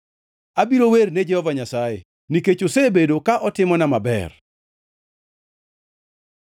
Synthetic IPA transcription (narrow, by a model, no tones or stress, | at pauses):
abiɾowerned͡ʒɛhɔvaɲasajḛ | niket͡ʃosebedokaʔɔtɪmɔnamabɛ̰r